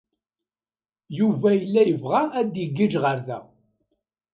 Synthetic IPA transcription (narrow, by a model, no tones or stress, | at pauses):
juvæjəlːæjəvʁaːd̪jəɡːid͡ʒʁəɾðæ̰